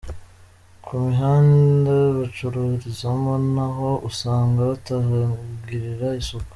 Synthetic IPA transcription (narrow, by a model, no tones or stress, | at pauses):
kʰumiɦaːndeβat͡ʃuɾuɾizamonaɦo̞ʔusaːŋɡaβataɦaɡiɾiɾaisuk